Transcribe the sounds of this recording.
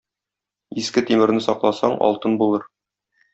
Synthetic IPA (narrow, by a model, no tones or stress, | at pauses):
iskɘt̪imɘ̆ɾnɘsɒqlˠɑsɑɴɒ̰lˠt̪ɤnbulˠɤɾ